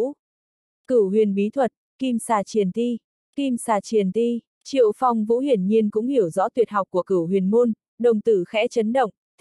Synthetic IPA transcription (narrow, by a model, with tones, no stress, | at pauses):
kɨ˧˩hwḭ˧˨ənɓi˨˦t̪ʰwə˨˩t̚ki˧msaː˧˩t͡ɕi˧˩ənt̪i˧ | ki˧msaː˧˩t͡ɕi˧˩ənt̪i˧ | t͡ɕḭ˧˨əwfa˨˩wŋ͡mvṵ˧˥hi˧˩ənɲi˧ənkʊ̰˧˥ŋ͡mhi˧˩əwzɔ̰˧˥t̪wi˨˩ət̚hɦa˨˩wk͡p̚kːu˧˩əkɨ˧˩hwḭ˨˩ənmu˧n | ɗə˨˩wŋ͡mt̪ɨ˧˩xɛ̰˧˥t͡ɕə˨˦nɗə̰˧˨wŋ͡m